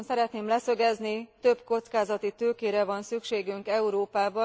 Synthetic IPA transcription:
nsɛɾɛt̪neːmlɛsø̞ɡɛznit̪ø̞bko̞t̪skaːzɒt̪it̪øːkeːɾɛvɒnsykʃeːɡyŋkɛuɾoːpaːbɒ

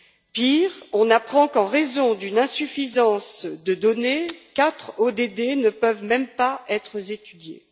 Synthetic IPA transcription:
piːʁɔ̃napχɑ̃kɑ̃ʁezɔ̃d̪ynɛ̃syfizɑ̃sd̪əd̪ɔnekat̪χod̪ed̪enəpœvmɛmpaɛt̪χəzet̪yd̪jḛ

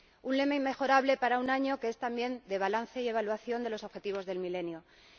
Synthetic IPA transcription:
unle̞maimːe̞xo̞ɾaβle̞paɾaunaɲo̞keest̪ambje̞nd̪e̞β̞alanθe̞ie̞βalwaθjo̞nd̪e̞lo̞so̞βxe̞t̪iβ̞o̞zðe̞lmile̞njo

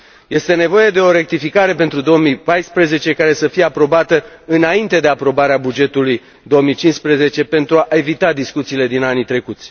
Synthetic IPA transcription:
je̞st̪e̞ne̞vo̞je̞d̪e̞o̞ɾe̞k̚t̪ifikaɾe̞pe̞nt̪ɾud̪o̞omipajspɾeze̞t͡ʃe̞kaɾe̞səfije̞apɾo̞bat̪əɨnaint̪e̞d̪e̞apɾo̞baɾeabud͡ʒe̞t̪uluj | d̪o̞omit͡ʃinspɾeze̞t͡ʃe̞pe̞nt̪ɾuaʔe̞vit̪ad̪iskut̪siːle̞d̪inanit̪ɾe̞kut̪sʲ

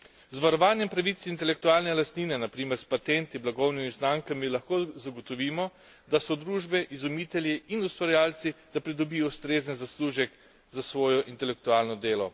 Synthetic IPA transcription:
zʋaɾɔʋaːnjɛmpɾaʋit̪sint̪ɛlɛkt̪uaːlnɛlast̪niːnɛnapɾiːmɛɾspat̪ɛnt̪iblaɡɔwnimiznaːŋkamilaxkoːzaɡɔt̪ɔʋiːmɔ | d̪asɔd̪ɾuːʒbɛʔizumiːt̪ɛljiinust̪ʋaɾjaːlt̪sid̪̥apɾid̪ɔbiːjɔust̪ɾeːzənzasluːʒɛk | zasʋɔːjɔʔint̪ɛlɛk̚t̪ualnɔd̪eːlɔ

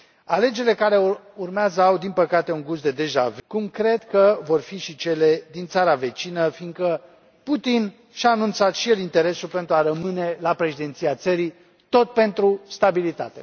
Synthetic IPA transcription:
ale̞d͡ʒeɾilekaɾe̞urmeazəawd̪inpəkat̪e̞uŋɡusd̪e̞d̪e̞ʒavkumkɾe̞d̪kəvo̞rfiʃit͡ʃe̞le̞d̪int̪saɾave̞t͡ʃinəfiŋɡkə | put̪in | ʃaːnunt̪sat̪ʃijelint̪e̞ɾe̞sulpe̞nt̪ɾuaɾəmɨne̞lapɾe̞ʃid̪ent̪siat̪səɾi | t̪o̞t̪̚pe̞nt̪ɾust̪abilit̪a̰t̪e̞

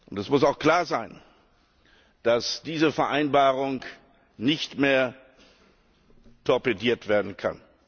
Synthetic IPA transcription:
ʔʊntɛsmʊsaʊxkl̥aːɐzaɪn | d̥asd̥iːzəfɛɐʔaɪnbaːʁʊŋ | nɪçtmeːɐ | tʰɔɐpediːɐtv̥eːɐdn̩kʰa̰n

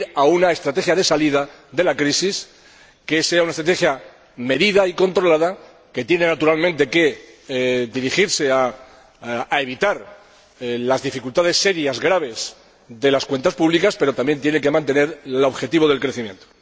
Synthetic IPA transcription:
ɾaunae̞st̪ɾat̪e̞xjaðe̞saliða | ðe̞lakɾisis | ke̞seaunaest̪ɾat̪exja | me̞ðiðaiko̞nt̪ɾo̞laða | ke̞t̪je̞ne̞nat̪uɾalmẽnt̪e̞ke̞ | d̪iɾixiɾse̞aː | e̞βit̪aɾ | lazðifikult̪að̞e̞sːe̞ɾjazɣɾaβ̞e̞z | ðe̞laskwe̞nt̪aspuβlikaspe̞ɾo̞t̪ambje̞nt̪je̞ne̞ŋke̞mãnt̪e̞ne̞ɾlo̞βxe̞t̪iβo̞ð̞e̞lkɾe̞θimje̞nt̪o

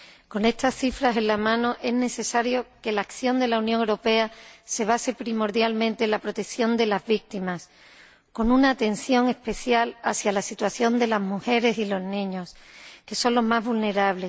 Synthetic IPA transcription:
ko̞ne̞st̪asθifɾase̞nlamãnoʔe̞zne̞θe̞saɾjo̞ke̞laːkθjo̞nd̪e̞launjõŋewɾo̞pe̞ase̞β̞ase̞pɾimo̞ɾðjalmẽnt̪eːnlapɾo̞t̪e̞kθjo̞nd̪e̞lazβik̚t̪imas | ko̞nunaːt̪e̞n̟θjo̞ŋe̞spe̞θjalaθjalasit̪waθjo̞nd̪e̞lazmuxe̞ɾe̞silo̞znĩɲo̞ske̞so̞nlo̞ɦmazβulne̞ɾaβ̞le̞s

